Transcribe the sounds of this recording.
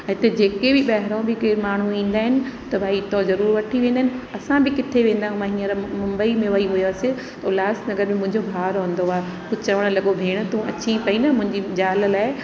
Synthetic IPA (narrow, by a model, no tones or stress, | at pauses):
ɐ̃ːɪt̪ed͡ʑeːkebɪɓɐɦɪɾõbʱɪkemaːɳ̤ũĩːnd̪aːɦɪnɪ̆t̪ɐbʱaːit̪ozɐɾuːɾʋɐʈʰiʋẽːnd̪aɦɪnɪ̆ɐsãbʱɪkɪt̪ʰeʋẽːnd̪aːɦũmɐɦinəɾmʊ̃mbəimẽʋɐiɦʊjaːse | t̪ɐʊlaːsnɐɡəɾmẽmʊ̃ɦɪ̃ɲd͡ʑobʱaːɾɦə̃n̆d̪oaːe | kʊt͡ɕɐʋəɽ̃lɐɠobʱeːɽ̃ʊ̆t̪ũɐt͡ɕĩpɐinɐmʊ̃ɪ̃ɲd͡ʑid͡ʑaːl̆laːɪ